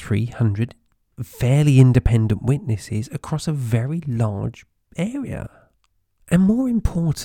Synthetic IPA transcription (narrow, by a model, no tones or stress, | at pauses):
ɹḭːhʌ̃ndɹəd̥ | fɛːliɪ̃ndɪpʰɛ̃ndə̃nʔwɪʔnɪsɪzəkʰɹ̥ɔsəvɛɹilɑ̰ːd͡ʒ | ɛːɹiə̰ | ʔə̃nmɔːɹɪ̃mpʰɔːˑʔ